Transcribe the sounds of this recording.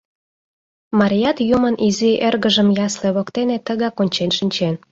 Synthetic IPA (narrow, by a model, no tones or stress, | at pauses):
mɑɾʲijɑt̪jumənʔiziʔerɣəʒəmjɑsleβokt̪enet̪ːəɣɑkonʲt͡ɕenʃinʲt͡ɕen